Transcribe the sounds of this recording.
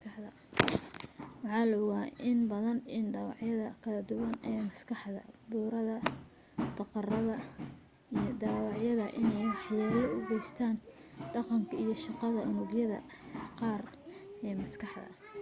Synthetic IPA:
kɑħðɐ | wɑħɑːlɐɣaːʔɪnbɐðɐnɪnɖɑːwɑ̰ʕjɐðɐkʰɐlɐd̪ʊwɐnɛːmɐskʰɑħðɐ̰buːɾɐðɐ | d̪̥ɑqɑrɐðɐ | ijɞd̪ɑːwɑʕjɐðɐʔɪnɛjwɑħjaːlɔʊɡɛjst̪ʰaːnɖɑqɑŋkʰɐijɞʃɑqɑðɐʔʊnʊɡjɐðɐ̰ | qɑːr | ɛːmɐskʰɑħdɐ̰

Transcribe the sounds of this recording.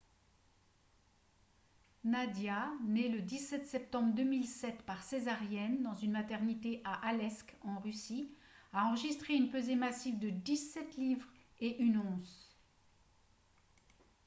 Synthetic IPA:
nad̪janeləd̪isɛt̪sɛp̚t̪ɑ̃bʁd̪ømilsɛt̪paʁsezaʁjɛnd̪ɑ̃zynmat̪ɛʁnit̪eʔaʔalɛskɑ̃ʁysiaɑ̃ʁəʒist̪χeynpøzemasivd̪əd̪isɛt̪livʁ | eʔynɔ̃z

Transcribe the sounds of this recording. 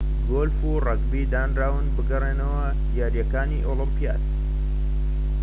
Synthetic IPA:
ɡoːlfurɐɡbid̪aːnraːwɨnbɨɡɐreːnɐwɐ | d̪jaːɾjɐkaːniʔoːlɨmpija̰ːt̪

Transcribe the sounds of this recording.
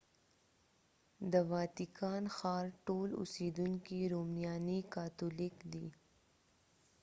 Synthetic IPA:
d̪əʋɑːt̪ikɑːnxɑːɾʈoːlʊ̰siːd̪uŋkiɾoːmnijɑːnikat̪ulɪkd̪iː

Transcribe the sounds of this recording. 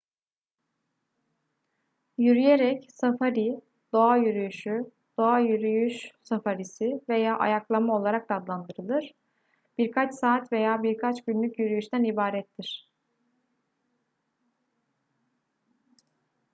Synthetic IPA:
jyɾyjeɾɛcsafaɾi | d̪̥o̞ajyɾyjyʃy | d̪̥o̞ajyɾyjyʃsafaɾisɪve̞jaːʔa̰jaklˠamao̞lˠaɾak̚d̪aːd̪lˠand̪ɯɾɯlˠɯɾ̥ | b̥iɾkʰat͡ʃsaːt̪ve̞jaːbiɾkʰat͡ʃɟynlʲycjyɾyjyʃt̪ʰænibaːɾɛt̪ʰːiɾ̥

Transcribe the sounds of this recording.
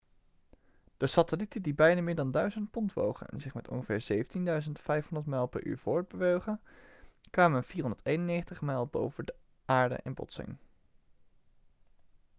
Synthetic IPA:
d̥əsatəlitədibɛjnaːmɪːɹdɑndœɥzənt̚pɔntʋo̰wχə̰nɛ̰nzɪχmɛtɔ̰nχəvɪːɹzejvəntindœɥzəntfɛjfɦɔndəɹtmɛlˠpɛ̰ɹʔy̰ːɹv̥ʊːɹd̚bəʋøɥχənkʋaːmənv̥iːrɦɔndə˞tejnənejχəntəχmɛjlˠbo̰wvədə | ʔaːɹdə̰ʔɛnbɔ̰tsɪ̰ŋ

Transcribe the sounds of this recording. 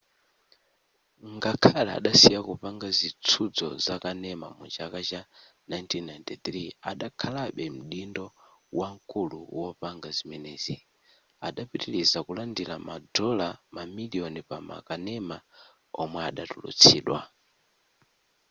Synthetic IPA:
ŋɡakʰala̰ːɗasijakupaŋɡazit͡sʰud͡zɔ̰zakanɛma̰mud͡ʒakat͡ʃanajntʰinnajntit̪ɾia̰ɗakʰalaɓɛm̩ɗindɔwaŋ̩kuluwɔpaŋɡazimɛnɛːzi | aɗapitilizakulandilamadɔlamamiliɔnipama̰kanɛma | ɔmwɛaɗatulṵt͡sʰiːɗwa̰

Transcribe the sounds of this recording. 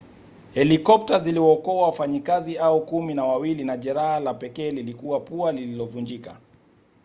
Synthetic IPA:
hɛlikɔp̚taziliwɔːkɔwawafaɲikaziaukuminawawilinaʄɛɾahalapɛkɛːlilikuwapualililɔvund͡ʒika̰

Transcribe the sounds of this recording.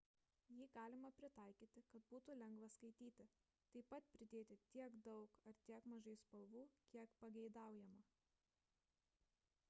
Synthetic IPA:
jiːɡɑːlʲɪmɐpʲɾʲɪt̪ɐˑɪkʲiːt̪ʲɪkɐt̪buːt̪ulʲɛŋɡʋɐskɐɪt̪ʲiːt̪ʲɪ | t̪ɐɪpɐt̪pʲɾʲɪd̪ʲeːt̪ʲɪt̪ʲiɛɡd̪ɒʊkɐɾt̪ʲiɛkmɐʒɐɪspɐlˠʋuːkʲiɛkpɐɡʲɛɪd̪ɑˑʊjɛmɐ

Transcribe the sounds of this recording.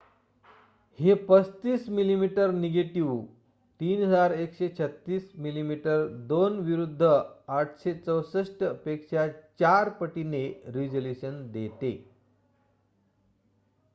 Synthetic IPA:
hepət͡st̪iːsmilimiʈəɾneɡeʈiʋ | t̪iːnɦəd͡zaɾekɕet͡ɕʰət̪ːiːsmilimiʈəɾd̪onʋiɾud̪ʱːəaʈʰɕet͡səwsəʂʈpekɕat͡ɕaɾpəʈineɾid͡ʑoljuɕənd̪et̪e

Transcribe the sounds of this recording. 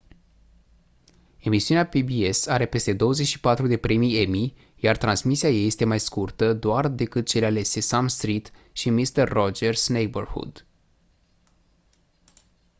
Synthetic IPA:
e̞misiuneapibie̞saɾe̞pe̞st̪e̞d̪o̞wəze̞t͡ʃʲʃi̥pat̪ɾud̪e̞pɾe̞mije̞mi | jart̪ɾansmisiajeje̞st̪e̞majskurt̪əd̪oard̪e̞kɨt̪̚t͡ʃe̞leale̞se̞samst̪ɾit̪ | ʃimist̪ərːod͡ʒersnejbərhṵd̪

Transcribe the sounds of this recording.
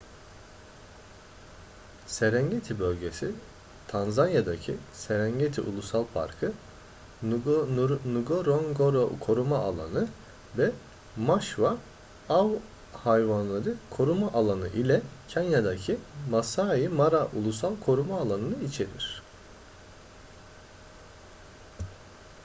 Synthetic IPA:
seɾɛɲɟet̪ʰibø̞lʲɟe̞si | t̪ʰanzanjad̪acʰiseɾæɲɟet̪ʰḭʔṵlˠusalˠpʰa̰ɾkʰɯ | nuɡoɾoŋɡoɾokʰo̞ɾumaalˠa̰nɯ | vɛ | maʃva | av | hajvanlˠaɾɯkʰo̞ɾumaʔalˠanɯ̰ʔilʲɛcʰanjad̪acʰimasaːjimaɾaʔulˠusalˠkʰo̞ɾumaːlˠanɯnɯit͡ʃʰe̞ɾḭɾ̝̥

